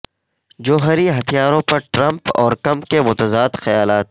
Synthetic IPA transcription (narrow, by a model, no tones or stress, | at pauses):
d͡ʒoːɦəɾiɦɐt̪ʰijaːɾõpɐɾʈɾɐ̃mpɔ̰ːɾkɐ̃mkemʊt̪əzaːd̪xɐjaːlaːt̪̚